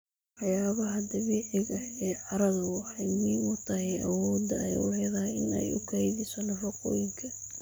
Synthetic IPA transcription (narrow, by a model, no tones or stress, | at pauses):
wɑjaːβɐɦɐd̪ɐβiːʕɪɣɐɛːʕɑɾɐðɐwħɑjmiːnʊt̪ʰɐɦɛjɐ̰wɔːd̪ɐɛjʊ̰lɐðaɪ̰nɛ̰jʊ̰kʰɐðɪsɐnɔrɐqɔ̰ːjɪŋkʰɐ